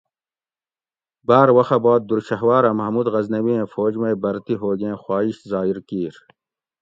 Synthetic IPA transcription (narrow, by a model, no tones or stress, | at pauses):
baːɾwɐxabaːd̪̚ːuɾɕɐɦwaːɾɐmɐɦmuːd̪ɣɐznɐwiẽːfoːd͡ʑmejbɐɾt̪iɦoːɡẽːxwaːiɕzaːiɾkiːɾ